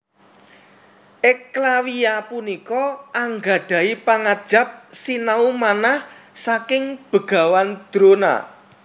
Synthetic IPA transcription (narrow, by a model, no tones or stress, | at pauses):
ʔɪklawiapunikɔʔaŋɡa̤ɖ̥a̤ipaŋad̥ʒ̥a̤p̚sinaumanahsakɪŋb̥ə̤ɡ̥a̤wand̪̥ɾona̰